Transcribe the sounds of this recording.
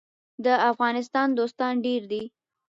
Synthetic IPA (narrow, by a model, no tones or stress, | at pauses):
d̪əafɣɑnɪst̪ɑnd̪ost̪ɑnɖeɾd̪i